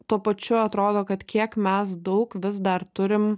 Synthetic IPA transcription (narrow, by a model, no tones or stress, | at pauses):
t̪uɔpɐt͡ʃʲʊɐt̪ɾoːd̪oːkɐt̪kʲiɛkmʲɛs̬d̪ɐʊkʋʲɪsd̪ɐɾt̪ʊɾʲɪm